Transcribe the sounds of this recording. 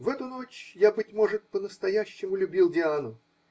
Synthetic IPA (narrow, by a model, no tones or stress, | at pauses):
vɛt̪ʊno̞t͡ɕjabɨtʲmo̞ʐɨt̪̚pənəst̪ɐjæɕːɪmʊlʲʊbʲilˠdʲɪanʊ